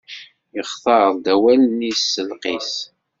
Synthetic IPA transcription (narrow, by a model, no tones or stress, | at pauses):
jəχθˤɑɾˤðˤd̪æwælnisːəlqis